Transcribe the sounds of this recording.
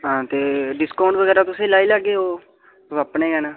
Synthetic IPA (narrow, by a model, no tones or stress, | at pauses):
ɦãːt̪eːɖɪskaːɳɖʋəɡɛːɾaːt̪ʊsẽːlaːiːlaɡeːoː | səpɳeːɡɛːnaː